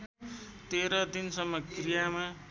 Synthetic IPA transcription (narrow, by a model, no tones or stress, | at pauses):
t̪eɾʌd̪insʌmːʌkrijama